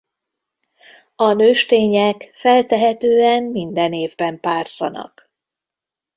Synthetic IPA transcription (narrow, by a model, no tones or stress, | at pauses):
ɒnøːʃt̪eːɲɛkfɛlt̪ɛɦɛt̪øːɛmmind̪ɛneːvbɛmpaːrsɒ̰nɒ̰k